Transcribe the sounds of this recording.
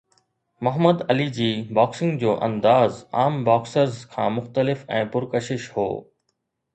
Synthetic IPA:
mʊɦəməd̪ɐlid͡ʑiːbaːksɪ̃ŋɡd͡ʑoːʔɐ̰̃nd̪aːza̰ːmbaːksəɾzkʰã̰ːmʊxt̪əlɪfɛ̃ːpʊɾkəʃɪʃho̰ː

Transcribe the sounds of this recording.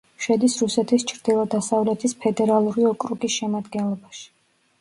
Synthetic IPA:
ʃɛd̪isɾusɛt̪ʰist͡ʃʰɾd̪̥ilˠɔd̪asavlɛt̪ʰispʰɛd̪ɛɾalˠuɾiɔkʼɾukʼisʃɛmad̪ɡɛnlˠɔbaʃi̥

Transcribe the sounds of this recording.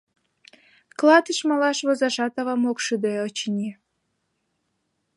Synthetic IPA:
klɑt̪əʃmɑlɑʃβozɑʃɑt̪ɑβɑmokʃyd̪øot͡ɕinʲi

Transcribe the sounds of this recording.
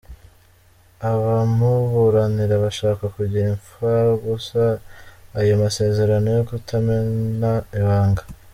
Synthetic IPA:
aβamuβuɾaniɾaβaʃaːkakuɟiɾiɱfaɾɡusaː | jomase̞ːze̞ɾano̞jokutʰamenaiβaːŋɡḁ

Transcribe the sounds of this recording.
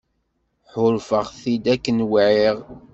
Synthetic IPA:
ħʊɾfəʁθid̪ækːənwʕiʁ

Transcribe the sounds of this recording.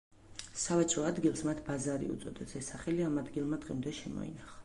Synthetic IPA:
savɛt͡ʃʼɾɔad̪ɡilˠsmat̪ʰbazaɾḭṵt̪sʼɔd̪ɛsɛsːaχɛliamad̪ɡilˠmad̪̥ʁḭmd̪ɛʃɛmɔ̰ḭnaχa

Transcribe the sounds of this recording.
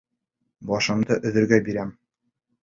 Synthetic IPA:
bɒʃɤ̆md̪ɤʔɵ̆ðɘ̆ɾɡæbiɾæm

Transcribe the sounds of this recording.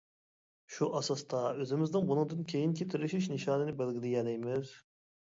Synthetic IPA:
ʃuʔɑsɑst̪ɑøzɪmɪzd̪ɪŋbunuŋd̪ɨnkʲʰejinkʲʰit̪ʰɪɾɪʃiʃnɪʃɑːnɨnɪbɛlɡʲilɪjɛlɛjmɪz̥

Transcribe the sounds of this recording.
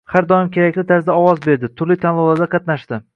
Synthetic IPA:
haɾd̪ɒjɪmkʲʰeɾakʲlɪt̪ʰaɾsɪd̪aɒwɒzbe̞ɾd̪ɪt̪ʰʊɾlit̪ʰanlˠʊlˠaɾd̪aqʰɑt̪naʃd̪ɪ

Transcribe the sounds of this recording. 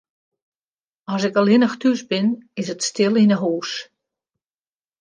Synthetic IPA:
ɔsɪkəlɪnəxtysbɪnɪsətstɪlˠinəɦuːs

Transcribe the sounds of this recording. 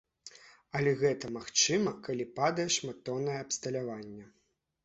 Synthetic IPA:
ɐlʲɛɣɛt̪ɐmaxt͡ʂɨmɐkalʲipad̪ɐjɛʂmat̪ɔnɐjɛɐpst̪ɐlʲavanʲːɛ

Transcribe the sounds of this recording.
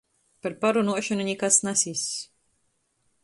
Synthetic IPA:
paɾpaɾunuɔʃanunʲikasnasis

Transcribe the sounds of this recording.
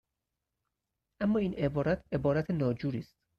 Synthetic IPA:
ʔæmːɒːiːne̞bɒːɾæt̪ʰe̞bɒːɾæt̪ʰenɒːd͡ʒuːɾiːst̪̚

